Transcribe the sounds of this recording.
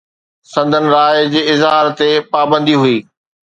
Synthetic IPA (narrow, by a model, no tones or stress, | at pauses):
sɐ̃nd̪ʱənɪ̆ɾaːɪd͡ʑeːɪzɦaːɾt̪epaːbə̃nd̪iɦuiː